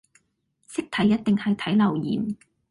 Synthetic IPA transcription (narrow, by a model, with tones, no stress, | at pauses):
sɪ˥k̚t̪ʰɐ˨˥jːɐ˥t̚t̪ɪ˨ŋhɐ˨jt̪ʰɐ˨˥jlɐ˨˩wjḭː˨˩m